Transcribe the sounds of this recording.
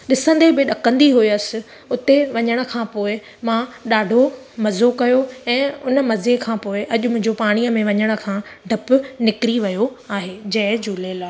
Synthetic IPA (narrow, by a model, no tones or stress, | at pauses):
ɗɪsə̃nd̪ebɪɗɐkə̃nd̪iɦuiɐsɪ̆ | ʊt̪eʋɐɲəɽ̃ə̆kʰãːpoːɪ | mãɗaːɖʱo | mɐzokɐjoɛ̃ːʊnəmɐzekʰãːpoːɪʔɐʄʊmʊ̃ɦɪ̃ɲd͡ʑopaːɽ̃iːəmẽʋɐɲəɽ̃ə̆kʰãːɖʱɐpʊnɪkɪɾiʋɐjo | aːɦeːd͡ʑɐɦɪd͡ʑuːleːlaː